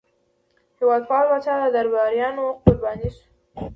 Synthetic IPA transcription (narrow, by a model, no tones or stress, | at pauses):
hɪwɑd̪̚pɑlwat͡ʃɑd̪əd̪aɾbɑɾjɑnoqqʊɾbɑniʃ